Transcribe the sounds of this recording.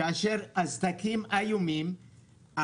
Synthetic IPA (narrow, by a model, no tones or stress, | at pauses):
aʃeʁazt̪akimajumim | a